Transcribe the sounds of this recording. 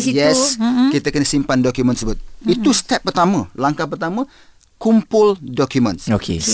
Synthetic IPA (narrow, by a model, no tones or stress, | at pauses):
jɛskit̪akənəsimpandɔkjumə̃nsəbət̪̚it̪ust̪ɛp̚ːərt̪amãlaŋkahpərt̪amə̃ | kumpʊldɔkjumə̃nokʰḛ